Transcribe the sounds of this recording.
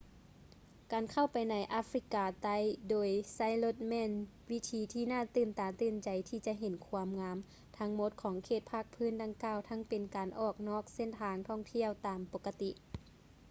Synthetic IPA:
kaː˨˩nkʰa˧˩wpa˨jna˨˦jʔa˧˥fɾi˧˥kaː˧˩t̪a˧˩jdoː˨˩jsa˧˥˩jlo˧t̪̚mɛː˧˥˨n | wi˦˧˥t̪ʰiː˨˦t̪ʰiː˧naː˧˥˨t̪ɯː˨˩nt̪aː˨˩t̪ɯː˧˩nt͡ɕa˨˩jt̪ʰiː˧˩t͡ɕa˧˦ʔɦe˨˦nkʰu˧əmŋaː˧˥m | t̪ʰa˧˥ŋmo˧˦t̪̚kʰɔː˨˦ŋkʰeː˧˩t̪̚pʰa˧˥˩k̚pʰɯː˧˥˨nda˧˩ŋkaː˧˩wt̪ʰa˧˥ŋpe˨nkaː˨˩nʔɔː˧˩k̚nɔː˧˥˩k̚se˧˥˨nt̪ʰaː˨˧˦ŋt̪ʰɔ˥˩ŋt̪ʰi˥˨əwt̪aː˨mpo˧˥kːa˧t̪i˧ʔ

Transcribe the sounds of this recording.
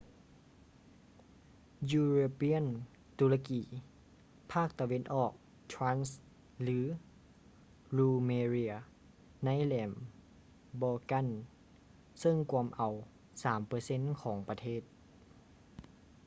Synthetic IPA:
juː˧ɾoː˧pi˧˥ə˨n | t̪uː˧la˧kiː˨˦ | pʰaː˥˩k̚t̪a˧we˧˥˨nʔɔː˨˩k̚ | t̪ʰɾaː˧˥ns | lɯː˨˦ | luː˧meː˧ɾi˧ | na˧˥˨jlɛː˨˩m | bɔː˧ka˧˥˨n | sɤ˧˥˨ŋkʰu˧əmʔa˨˩w | saː˩˦mpɤː˧se˧˥˨nkʰɔː˩˦ŋpa˧t̪ʰeː˥˩t̪̚

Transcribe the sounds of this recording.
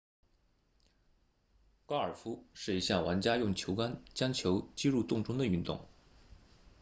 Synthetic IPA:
kɑ˥ə˞˨˩fu˥ʂɻ̩˥˩i˧˥ɕja˥˩wa˧˥nt͡ɕja˥jʊ˥˩ŋt͡ɕʰjo˧˥ʊka˥nt͡ɕjɑ˥ŋt͡ɕʰjo˧˥ʊt͡ɕi˥ɻu˥˧t̪ʊ˥˧˩ŋʈ͡ʂʊ˥ŋd̪ə˨y˥˧nt̪ʊ̰˥˩ŋ

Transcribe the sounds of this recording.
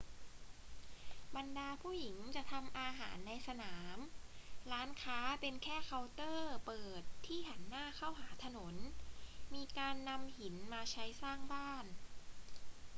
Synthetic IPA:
ba˧ndaː˧pʰuː˥˩ji˩˦ŋt͡ɕa˨˩t̪ʰa˧mʔaː˧ɦaː˩˦nːa˧jsa˧naː˩˦mɾaː˦˥nkʰaː˦˥pe˧nkʰɛː˥˩kʰa˧wt̪ɤː˥˩pɤː˨˩t̪ʰːiː˥˩ɦa˩˦nːaː˥˩kʰa˥˩wɦaː˩˦t̪ʰa˧no˩˦nmiː˧kaː˧nːa˧mhi˩˦nmaː˧t͡ɕʰa˦˥jsaː˥˩ŋbaː˥˩n

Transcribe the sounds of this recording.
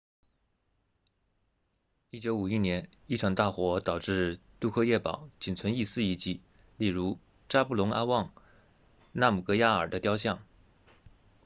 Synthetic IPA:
i˥t͡ɕjo˧˥ʊu˨˩i˥njɛ˧˥n | i˥˩ʈ͡ʂʰɑ˨˩ŋt̪a˥˩xwɔ˧˥t̪ɑ˨˩ʊʈ͡ʂɻ̩˥˧t̪u˥˧kʰɤ˥˧jɛ˥˩pɑ̰˨˩˦ʊt͡ɕi˨˩nt͡sʰwə˧˥ni˥˧sɹ̩˥˧i˧˥˩t͡ɕi˥˩˦ | li˥˩ɻu˧˥ | ʈ͡ʂa˥pu˥˩lʊ˧˥ŋʔa˥wɑ˥˧ŋ | na˥˩mu˨˩kɤ˧˥ja˥ə˞˨˩d̪ə˦t̪jɑ˥ʊɕjɑ˥˩ŋ

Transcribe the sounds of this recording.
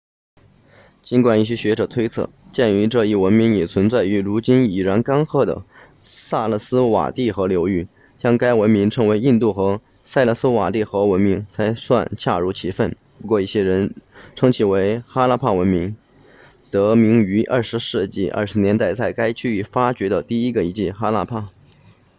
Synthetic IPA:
t͡ɕi˧˥nkwa˨˩ni˥˩ɕ̬ɛ˥ɕɥɛ˧˥ʈ͡ʂɤ˨˩t̪ʰwe˥ɪt͡sʰɤ̰˥˩t͡ɕjɛ˥˩ny˧˥ʈ͡ʂɤ˥˧i˥˩wə˧˥nmi˧˥ŋjɛ˨˩t͡sʰwə˧˥nt͡sa˥˩ɪy˧˥ɻu˧˥t͡ɕi˥ni˨˩ɻa˧˥nka˥nxɤ˥˩d̪ə̰˩ | sa˥˩lə˥˩sɹ̩˥wa̰˨˩t̪i˥˩xɤ˧˥ljo˧˥ʊy˥˩ | t͡ɕjɑ˥ŋka˥ɪwə˧˥nmi˧˥ŋʈ͡ʂʰɤ˧˥ŋwe˧˥ɪi˥˧nt̪u˥˩xɤ˧˥ | sa˥˧ɪlə˥˩sɹ̩˥wa̰˨˩li˥˩xɤ˧˥wə˧˥nmi˧˥ŋt͡sʰa˧˥ɪswa̰˥˧nt͡ɕʰja̰˥˩ɻu˧˥t͡ɕʰi˧˥fə˥˩n | pu˧˥kwɔ˥˧i˥˩ɕjɛ˥ɻə˧˥nʈ͡ʂʰɤ˥ŋt͡ɕʰi˧˥˩we˧˥ɪxa˥la˥pʰa˥˩wə˧˥nmi˧˥ŋ | t̪ɤ˧˥mi˧˥ŋy˧˥ʔɐ˞˥˩ʂɻ̩˧˥ʂɻ̩˥˧t͡ɕi˥˩ʔə̰˥˩ʂɻ̩˧˥njɛ˧˥nt̪a˥˩ɪt͡sa˥˩ɪka˥ɪt͡ɕy˥˧y˥˩fa˥t͡ɕɥɛ˧˥d̪ə˧t̪i˥˩i˥ɡə˧i˧˥t͡ɕi˥˩xa˥la̰˥˧pʰa˥˩

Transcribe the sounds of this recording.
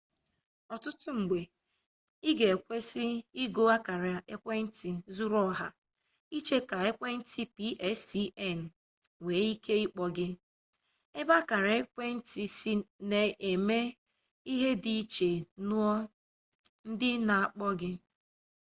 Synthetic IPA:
ɔ˨tʊ˦tʊ˦ŋ͡m̩˨ɡ͡be˨ | i˦ɡe˨e˨kʷe˦sɪ˦i˦ɡo˦a˦ka˨ɾa˨e˦kʷe˦n̩˦ti˨zu˦ɾɔ˦˨ɦa˨ | i˦t͡ʃe˦ka˨e˦kʷe˦n̩˦ti˦pi˦ʔɛ˦sti˦ɛ˦˨n̩˨ | we˨˦i˦kʰe˦ɪ˦k͡pɔ˦ɡɪ˦ | e˦ba˦ka˨ɾa˨e˦kʷe˦n̩˦ti˨si˦ne˨ʔe˨me˦ | i˦ɦe˦di˦t͡ʃe˨nu˦ɔ˦ | n̩˦dɪ˦na˨a˨k͡pɔ˦ɡɪ˦

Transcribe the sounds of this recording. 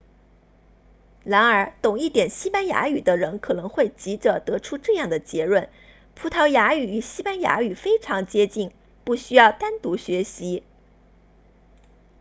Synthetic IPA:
ɻa˧˥nə˞˧˥t̪ʊ˨˩ŋi˥˩t̪jɛ˨˩nɕi˥pa˥nja̰˧˥y˨˩d̪ə˦ɻə˧˥nkʰɤ˨˩nɤ˧˥ŋxwe˥˩ɪt͡ɕi˧˥ʈ͡ʂə˨˩t̪ɤ˧˥ʈ͡ʂʰu˥ʈ͡ʂɤ˥˧jɑ˥˩ŋd̪ə˩t͡ɕjɛ˧˥ɻwə˥˩n | pʰu˧˥t̪ʰɑ˧˥ʊja˧˥y˨˩y˨˩ɕi˥pa˥nja̰˧˥y˨˩fe˥ɪʈ͡ʂʰɑ˧˥ŋt͡ɕjɛ˥t͡ɕi˥˩ŋ | pu˥˩ɕy˥jɑ˥˩ʊt̪a˥nt̪u˧˥ɕɥɛ˧˥ɕi˧˥

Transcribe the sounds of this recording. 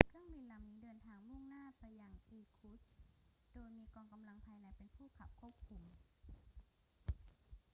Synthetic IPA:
kʰɯ˥˩əŋbi˧˨nla˨˩mniː˦˥dɤː˧nt̪ʰaː˧ŋmu˥˩ŋnaː˥˩pa˧jːa˧ŋʔiː˧kʰu˦˥s | d̥oː˧jmiː˧kɔː˧ŋka˧mla˧ŋpʰaː˧jna˧˥jpe˧npʰuː˥˩kʰa̰˨˩p̚kʰu˥˩əp̚kʰu˧m

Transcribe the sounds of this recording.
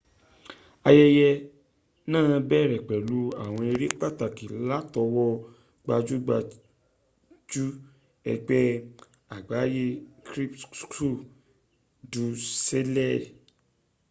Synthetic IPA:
a˧jɛ˦jɛ˧ | nãː˦˨˧bɛ˦˨ɾɛ˨k͡pɛ˨lu˨˦a˦˨w̃ɔ̃˧e˧ɾi˦k͡pa˦˨ta˨ki˨la˦tɔ˧wɔ˦ | ɡ͡ba˧d͡ʒu˦ɡ͡ba˧ | d͡ʒu˦ | ɛ̰˧ɡ͡bɛ˦ | a˨ɡ͡ba˨˦je˦kɾi˦ptkɾu˦˨ | du˧se˦lɛ˦˨

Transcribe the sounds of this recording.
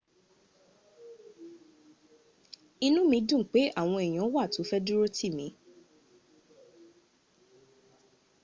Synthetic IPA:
i˧nũ˦mĩ˧˦dũ˦˨k͡pe˨˦ʔa˦˨w̃ɔ̃˧e˨j̃ã˨˦wa˦˨to˨˦fɛ˦du˦ɾo˦ti˦˨mĩ˨˦

